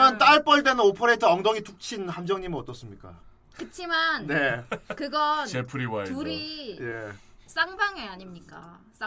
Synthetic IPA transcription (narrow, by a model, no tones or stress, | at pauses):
ʌnt͈aɭp͈ʌɭdenɯnopʰoɾetʰɯʌŋdoŋituk̚t͡ɕʰinhamd͡ʑʌŋɲimiʌt͈ʌs͈ɯmɲik͈a̰ | kɯt͡ɕʰimanne̞kɯɡʌnepʰuɾiwauɾije̞ | s͈aŋbaŋeaɲimɲik͈a̰ | s͈a